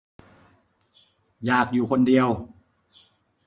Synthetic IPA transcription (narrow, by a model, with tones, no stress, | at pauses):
jaː˨˩k̚juː˨˩kʰo˧ndi˧əw